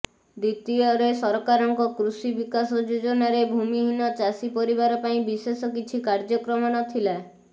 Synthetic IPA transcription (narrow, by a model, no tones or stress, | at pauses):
d̪it̪iɔɾesɔɾɔkaɾɔŋkɔkɾusibikasɔd͡ʒod͡ʒɔnaɾebʱumiɦinɔt͡ʃasipɔɾibaɾɔpaĩbisesɔk̬it͡ʃʰikaɾd͡ʒɔkɾɔmɔnɔt̪ʰila